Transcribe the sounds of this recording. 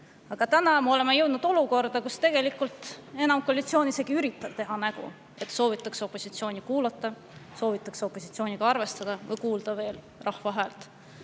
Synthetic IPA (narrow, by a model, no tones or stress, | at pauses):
ɑɡ̥ɑt̪ænɑmeo̞le̞mːejɤ̞wd̪nud̪o̞luko̞rd̪̥ɑkust̪e̞ɡ̥e̞likːˑult̪e̞nɑmkolʲit̪sio̞ːnise̞ɡ̥iyɾit̪ːˑɑv̥t̪e̞ɦɑnæɡ̥ṵ | e̞t̪ːso̞ːvit̪ːˑɑkso̞pːˑo̞sit̪sio̞ːnikuːlɑt̪ˑːɑ | so̞ːvit̪ːˑɑkseo̞pːˑo̞si̥t̪sio̞ːniɡ̥ɑɑrve̞st̪ɑd̪̥ɑvɤjkuːld̪̥ɑve̞ːl | rɑhvɑɦæːlt̪ˑ